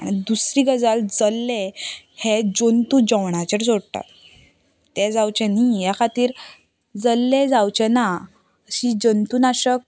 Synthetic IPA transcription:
a̰ɽ̃id̪usɾiɡəd͡zald͡zəlːe | hɛd͡ʑont̪ud͡ʑəwɳ̃at͡ɕəɾsoɽt̪a̰t̪ | t̪ɛd͡zawt͡ɕɛnijakʰat̪iːɾ | d͡zəlːed͡zawt͡ɕɛna | əɕid͡ʑənt̪uːnaɕək̚

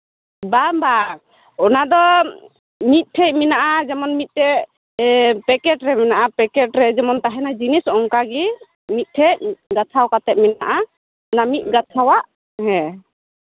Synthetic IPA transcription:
bamba | ɔnad̪ɔ | mit̪̚ˀʈʰɛʔ̚minaʔad͡ʒɛmɔnmit̪̚ˀt̪ɛ | pɛkɛʈɾɛmɛnaʔapɛkɛʈɾɛd͡ʒɛmɔnt̪aɦɛnad͡ʒinisɔŋkaɡi | mit̪̚ˀʈʰɛɡat̪ʰawkat̪ɛt̪̚mɛna̰ʔa | ɔnamit̪̚ˀɡat̪ʰawaʔ | ɦɛ̃

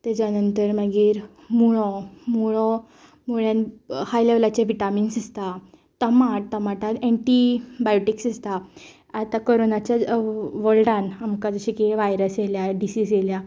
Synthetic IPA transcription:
t̪ɛt͡ɕanənt̪əɾməɡiːɾ | muɭɔmuɭɔ | muɭjanhajleʋlat͡ɕaʋiʈaminsist̪a | t̪əmaʈ̚t̪əmaʈat̪eɳʈibajoʈiksist̪a | at̪akoɾonat͡ɕjaʋəlʈanamkad͡zəɕikeʋajɾəseljaɖisiːsjelja

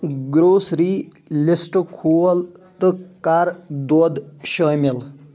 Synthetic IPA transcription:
ɡɾoːsɾi | lisʈkʰuəlt̪ɨkaɾd̪ɔd̪ɕəmil

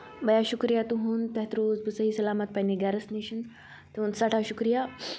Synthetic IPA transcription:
bɐjaɕukɾijat̪uɦunt̪ɐɦt̪ɾoːzbusəɦisɐlaːmɐt̪̚paɦniɡaɾɐsniɕin | t̪uɦũːnsaʈʰaɕukɾija

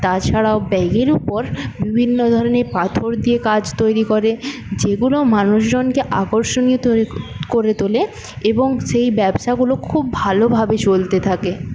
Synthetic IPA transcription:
t̪at͡ɕʰaɽaobɛɡeɾupoɾbibʱinːod̪ʱɔɾonepat̪ʰoɾd̪iekad͡ʑt̪ojɾikoɾed͡ʑeɡulomanuʃd͡ʑonkeʔa̰koɾʃoniot̪okoɾet̪ole | eboŋʃejbɛbʃaɡulokʰubːʱalobʱabet͡ɕolt̪et̪ʰake

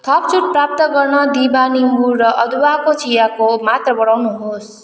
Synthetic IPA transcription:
t̪ʰʌp̚t͡sʰuʈ̚prap̚t̪ʌɡʌrnʌd̪ibanimburʌʔʌd̪ʱuwakot͡sʰijakomat̪rʌbʌɽawnuɦos

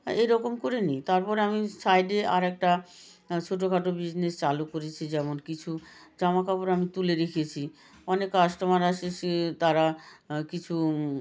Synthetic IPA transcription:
ejɾɔkomkoɾenit̪aɾpɔɾamisajɖeʔa̰ɾɛk̚ʈa | t͡ɕʰoʈ̬okʰaʈobid͡ʑnest͡ɕalukoɾet͡ɕʰid͡ʑɛmonkit͡ɕʰu | d͡ʑamakapoɾamit̪uleɾekʰiet͡ɕʰi | ɔnekːaʃʈomaɾaʃeʃt̪aɾakit͡ɕʰu

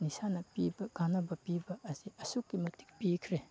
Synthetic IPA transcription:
nisanɐpibɐɡanɐbɐpibɐːziɐsukːimɐti̥k̚pikʰɾe

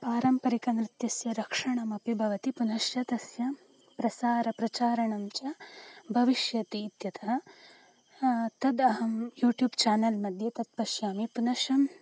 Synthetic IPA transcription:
paːɾɐmpɐɾikɐnɾɪt̪jɐsjɐɾɐkʂɐɳɐmɐpibʱɐʋɐt̪ipunɐʃjɐt̪ɐsjɐ | pɾɐsaːɾɐpɾɐt͡ʃaːɾɐɳɐmt͡ʃɐbʱɐʋiʃjɐt̪iːt̪jɐt̪ʰɐɐ | t̪ɐd̪ɐɦɐmjuːʈjuːbt͡ʃaːnɐlmɐd̪ʱjɐt̪ɐt̪̚pɐʃjaːmipunɐʂɐm

